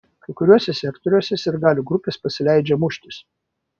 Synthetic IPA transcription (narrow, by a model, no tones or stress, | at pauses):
kɐɪkʊɾʲuɔsʲɛsʲɛkt̪ɔɾʲuɔsʲɛsʲɪɾɡɑːlʲuɡɾʊpʲeːspɐsʲɪlʲæɪd͡ʒʲɛmʊʃʲt̪ʲɪs